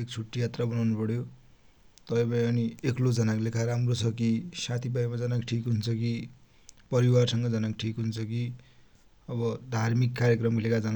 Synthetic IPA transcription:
ek̚t͡sʰuʈːijat̪rabʌnawnupʌɽjo | t̪ʌpʌ̃pʌĩʌnieklod͡zʌnaklekʰaɾamrot͡sʰʌkisãt̪ʰibajmad͡zʌnakʈʰikɦunt͡sʰʌki | pʌɾiwarsʌŋɡʌd͡zʌnakʈʰikɦunt͡sʰʌki | ʌβʌd̪ʱarmikːaɾjekrʌmilekad͡zʌna

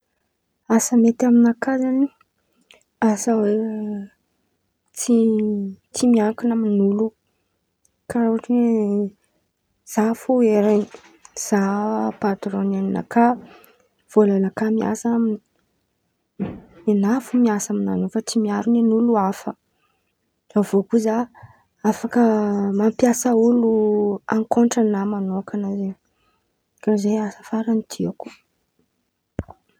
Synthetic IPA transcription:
asəmet̪aminakazani | asawe | t͡si | t͡simiaŋkinamiinulu | kaɾaaʈ͡ʂie | z̥afoeɾeni̥ | z̥apad̪uɾonanina̰ka | v̥olanakamia̰samini̥ | enafumiasamina̰nufat͡simiaɾunanuluafə | avokuza | afakəmampjasəuluaŋkoɳʈ͡ʂanamanokanazeɲ | kazeasə̥faɾanit̪ʰiaku̥

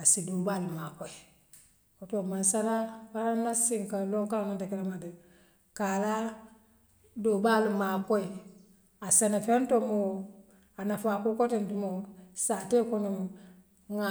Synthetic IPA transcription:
asidobalimakoi | kotomansaɾafaɾanasiŋkanloŋkalanantakiɾamadi | kaɾa | dobalimakoi | asenafentomo | anafakukotintimosatekonu | ŋa

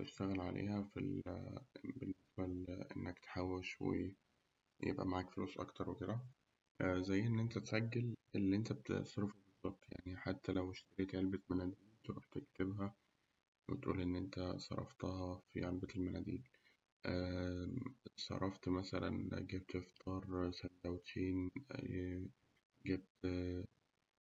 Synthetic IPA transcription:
t̪ḛʃt̪æɣælʕalʔḛːhæfḭl | benːesbælʔḛnːækt̪ħawːelʃwḛ | jḛbʔæ̰maʕaːkfolṵːsˤʔɑ̰kt̪ɑɾˤweked̪æ | ʔzæjːʔenːʔent̪æt̪saɡːelʔelːiʔent̪æbet̪sˤɾfebezˤːɑt̪ˤja̰ʕniħat̪ːælæweʃt̪ɑɾeːt̪ʕelbæt̪mænæd̪iːlt̪oɾṵħt̪ekt̪ebɦæ | wḛt̪ʔṵːlʔenːʔent̪æsˤɑ̰ɾˤːɑ̰ft̪ɑhɑfḭʕelbeelmænæ̰d̪ḭːn | ʔæ | sˤɑ̰ɾˤːɑft̪mæsælæ̰nɡæb̚t̪ʔeft̪ʰɑːɾˤsænd̪æwt̪ʰeːn | ɡæb̚t̪

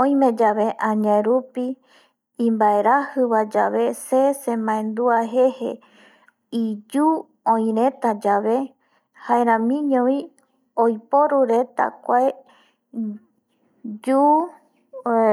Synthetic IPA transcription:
õj̃mẽd͡ʒaβe̞ʔãɲaeɾupi | ĩmbae̞ɾahɨβad͡ʒa̰βe̞sesẽmãẽnd̪uaɦe̞hḛ | id͡ʒu | õj̃ɾẽ̞t̪ad͡ʒaʋe̞ | haeɾãmĩɲõĩ | ojpoɾuɾe̞t̪a̰kʷae | d͡ʒu

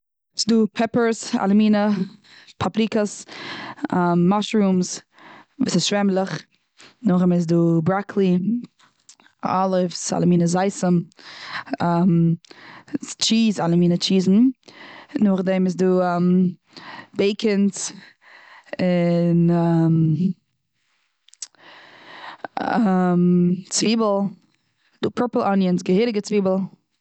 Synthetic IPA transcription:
sɪduːpʰɛpəɹsa̰lˠəmiːnə | pʰapɾikəs | amːaʃɾuːms | vṵːsɪsʃvɛmlˠɪχ | nʊχɪmɪs̬duːbɾakʰlˠi | ɔ̰lˠɪfsa̰lˠəmiːnəzaɪsəm | am | t͡ʃiːzalˠəmiːnət͡ʃiːzn̩ | nʊχdɛɪmɪs̬duːm | beɪkʰɪns | ɪnam | amt͡sviːbl̩ˠ | d̥uːpʰəɹpəl̩ˠʔɔnjənsɡəhɪɾɪɡət͡sviːbəl̩ˠ

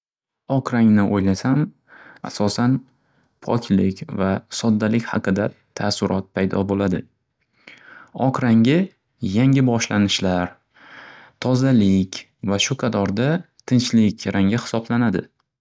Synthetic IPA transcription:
ɒkʰɾaŋnɪʔojlasam | a̰sɒsan | pʰɒ̰kʲʰlɪkʲvasɒd̪ːalɪkʲhɑ̰qʰɨd̪a | t̪ʰasʊɾʔɒt̪̚pʰajd̪ɒbolad̪ɪ | ɒqɾaŋʲɪ | jaŋʲɪbɒʃlanɪʃlaɾ | t̪ʰɒzalɪkʲ | vaʃʊqʰɑt̪ʰɒɾd̪a | t̪ʰɪnt͡ʃlɪkʲɾaŋʲɪhɪ̥sɒblanad̪ɪ

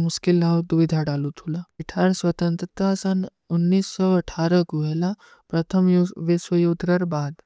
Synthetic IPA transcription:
mʊskɪlːaːʋd̪uʋid̪ʱaɖaːlut̪ʰulaiʈʰaːɾswɐt̪ə̃nt̪ɾət̪asən | ʊnːiːsːɔɐʈʰaːɾəkuɦɛla | pɾɐt̪ʰəmʋɪswəjoːd̪ʱɾɐɾbaːd̪

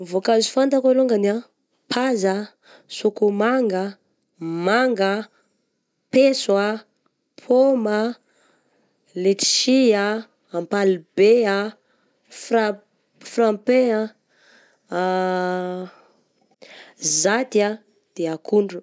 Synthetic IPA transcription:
vokazi̥fant̪akaloŋɡania | pʰazə | sukumaŋɡə | maŋɡə | peswa | pʰoma | leti̥ʃiaː | mpalibea | fra | frampea | zat̪ia | d̪̥eakuɳɖ͡ʐu̥

